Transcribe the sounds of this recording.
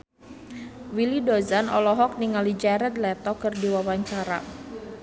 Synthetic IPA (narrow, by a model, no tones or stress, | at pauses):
wilidozanɔlɔɦɔk̚niŋalid͡ʒaɾɛd̪lɛt̪ɔkɨrdiwawaɲt͡ʃaɾa̰